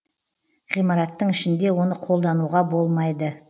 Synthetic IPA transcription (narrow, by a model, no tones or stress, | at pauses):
ʁijmɑɾɑt̪ːəɴɪʃɪnd̪e̞wo̞nəqʰo̞lˠd̪ɑnuʁɑbo̞lˠmɑjd̪ə